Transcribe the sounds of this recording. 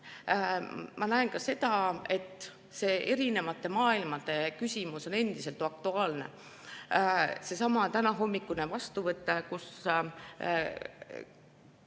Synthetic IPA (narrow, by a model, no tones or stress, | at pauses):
mɑnæenkɑse̞d̪̥ɑe̞t̪ːˑ | se̞ːʔe̞ɾine̞vɑt̪ːˑe̞mɑːilmɑd̪̥e̞kysʲimuso̞ne̞nd̪̥ise̞lt̪ɑk̚t̪uɑːlne̞̰ | se̞sɑmɑt̪ænɑɦo̞mːikːˑunevɑst̪uvɤt̪ːˑekus